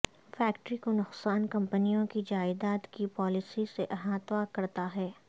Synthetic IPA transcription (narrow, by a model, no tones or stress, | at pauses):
fɛːkʈɾikonʊqsaːnkɐ̃mpənijõkid͡ʒaːɪd̪aːt̪kipɔːlɪsiseʔɐɦãt̪ʋaːkɐɾt̪aɦɛː